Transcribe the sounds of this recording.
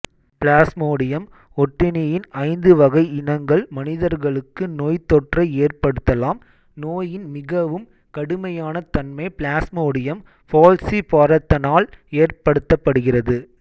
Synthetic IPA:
plaːsmoːɽɪjɐm | ɔʈːɪnɪjɪnɐɪnd̪ɯʋɐɣɐɪɪnɐŋɡɐɭmɐnɪðɐɾɣɐɭɯkːɯnoːjt̪ːɔʈrɐɪeːrpɐɽɯt̪ːɐlaːm | noːjɪnmɪɣɐʋɯm | kɐɽɯmɐjaːnɐt̪ɐnmɐɪplaːsmoːɽɪjɐm | foːlsipoːɾɐt̪ːɐnaːleːrpɐɽɯt̪ːɐpːɐɽɯɣɪrɐðɯ

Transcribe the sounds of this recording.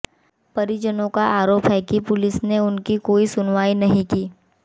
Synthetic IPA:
pɐɾid͡ʒənõkaʔaːɾoːpɦɛkipʊlɪsneʊnkikoːisʊnʋaːinɐɦĩkiː

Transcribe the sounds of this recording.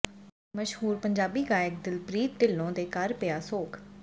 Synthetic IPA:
məʃhuːɾpəɲd͡ʒaːbiːɡaːjɪk̚d̪ɪlpɾiːt̪̚d̪ɪlːõːd̪eːkəɾpɪaːsoːk

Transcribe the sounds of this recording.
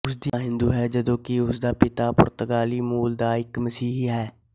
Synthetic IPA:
ʊs̬d̪iɦɪ̃nd̪uːɦɛːd͡ʒəd̪õːkiʊsd̪aːpɪt̪aːpʊ̰ɾt̪əɡaːliːmuːld̪aːɪkməsiːɦɦɛː

